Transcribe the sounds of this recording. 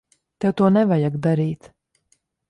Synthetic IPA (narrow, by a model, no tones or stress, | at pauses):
t̪ɛwt̪uɔnɛvajaɡd̪aɾiːt̪